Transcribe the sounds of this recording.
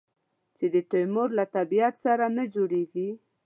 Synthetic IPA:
t͡ʃed̪ət̪ojmʊɾlat̪abiat̪saɾanad͡ʒoɽeɡi

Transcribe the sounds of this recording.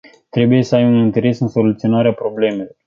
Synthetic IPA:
t̪ɾe̞buje̞səajunint̪e̞ɾe̞sɨnso̞lut̪sio̞naɾeapɾo̞ble̞me̞lo̞r

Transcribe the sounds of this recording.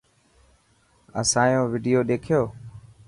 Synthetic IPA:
ə̰sãːjõːʋɪːɖijoːɗ̪eːkʰɪjoː

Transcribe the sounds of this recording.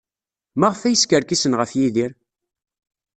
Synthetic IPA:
mæʁəfæjəskəɾkisənʁəfjiðiɾ

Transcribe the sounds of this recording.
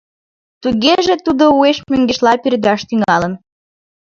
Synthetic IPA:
t̪uɣeʒet̪ud̪oueʃmøŋɡeʃlɑpiɾd̪ɑʃt̪yŋɑlən

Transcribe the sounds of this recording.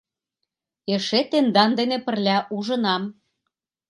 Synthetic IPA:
eʃet̪end̪ɑnd̪enepə̆rlʲæʔuʒə̆nɑm

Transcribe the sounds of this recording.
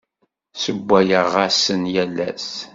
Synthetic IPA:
səbʷːæjəʁasənjælːæ̰s

